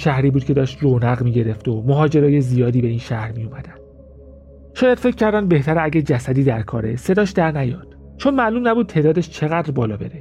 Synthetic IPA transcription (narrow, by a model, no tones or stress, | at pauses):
ʃæhɾiːbuːd̪̚cʰe̞d̪ɒːʃt̪ronæɣmiːɟe̞ɾe̞ft̪omoɦɒːd͡ʒe̞ɾɒːje̞zijɒːd̪iːbe̞iːnʃæhɾmijomæd̪ænd̪̥ | ʃɒːjæd̪̥fe̞c̚ʰːcʰːæɾd̪ænd̪be̞ht̪ʰæɾeæɟæd͡ʒæsæd̪iːd̪æɾkʰɒ̰ːɾe̞̰se̞d̪ɒːʃd̪æɾnæjɒːd̪̥ | t͡ʃʰonmæːluːmnæbuːd̪̚t̪ʰeːd̪ɒːd̪eʃt͡ʃʰe̞ɣæd̪ɾbɒːlɒːbe̞ɾe